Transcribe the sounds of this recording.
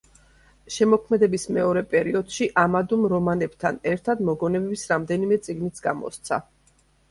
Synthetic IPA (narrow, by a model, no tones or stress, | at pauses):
ʃɛmɔkʰmɛd̪ɛbismɛɔɾɛpʼɛɾiɔd̪̥ʃiʔamad̪umɾɔmanɛbt̪ʰanɛɾt̪ʰad̪mɔɡɔnɛbɛbisɾamd̪ɛnimɛt̪sʼiɡnit̪sʰɡamɔ̰st̪sʰa̰